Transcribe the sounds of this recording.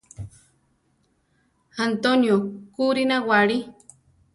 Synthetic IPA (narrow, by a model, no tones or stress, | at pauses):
ant̪onjokuɾinawaɽi